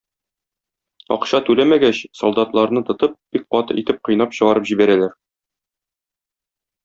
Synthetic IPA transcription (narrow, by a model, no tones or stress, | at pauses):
ɒ̰qɕɑt̪ʉlæmæɡæɕsolˠd̪ɑt̪lˠɑɾnɤt̪ɤ̆t̪ɤp̚b̥ik̚qɒt̪ɤ̰ʔit̪ɘp̚qŏjnɑpɕɤ̆ʁɑɾɤpʑibæɾælæɾ